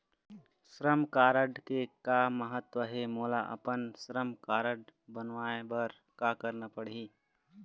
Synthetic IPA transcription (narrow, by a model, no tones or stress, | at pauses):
sɾəmkaːɾəɖkekaməɦət̪wəɦemoːlaʔɐ̰pənsɾəmkaːɾəɖbənʋaːebəɾ | kakəɾnapəɽiː